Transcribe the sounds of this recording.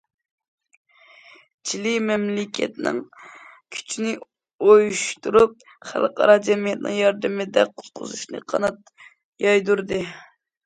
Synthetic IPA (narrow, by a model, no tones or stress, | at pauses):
t͡ʃʰilɪmɛmlɪkʲʰɛ̰t̪nɪ̰ŋ | kʲʰy̥t͡ʃʰnɪ | ojuʃt̪uɾup̚ | χæ̰lˠqʰɑ̰ɾɑd͡ʒɛmijɛt̪nɨ̰ŋjɑɾd̪ɨmɪd̪ɛqʰʊ̥t̪qʰʊ̰zuʃnɨ̰qʰɑnɑt̪ | jɑjd̪uɾd̪ɨ